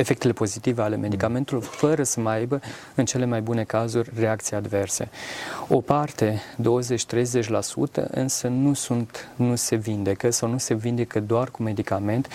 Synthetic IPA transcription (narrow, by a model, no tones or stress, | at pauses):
e̞fe̞k̚t̪e̞le̞po̞zit̪iveale̞me̞d̪ikame̞nt̪ulurfəɾəsəməajbə | ɨnt͡ʃe̞le̞majbune̞kazurʲre̞akt̪sijad̪ve̞rse̞̰o̞̰part̪e̞d̪o̞wəze̞t͡ʃʲt̪ɾe̞jze̞t͡ʃʲlasṵt̪ə̰ʔɨ̰nsənusunt̪nuse̞vind̪e̞kəsawnuse̞vind̪e̞kəd̪oarkume̞d̪ikame̞nt̪